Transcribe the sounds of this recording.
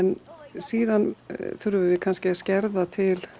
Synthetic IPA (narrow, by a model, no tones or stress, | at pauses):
ɛnsiːðanθʏɾʏvɪvɪkʰanscɪscɛɾðat̪ʰɪl